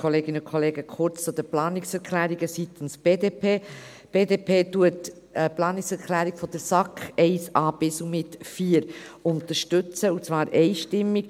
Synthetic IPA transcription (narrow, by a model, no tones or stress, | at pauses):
kʰɔleːɡɪnəʊkʰɔleːɡəkʰʊɾt͡st͡sʊd̪əplɑːniksɛɾkʰlæːɾiɡəsit̪ən̩sb̥eːdeːpʰeː | b̥eːdeːpʰeːtuət | əplɑːniksɛɾkʰlæːɾiɡ̥fɔd̥əɾsɑkχɛɪsɑːb̥ɪsumɪtfiːəɾʊnt̪əɾʃtʏt͡səut͡svɑːɾʔɛɪʃtɪmːik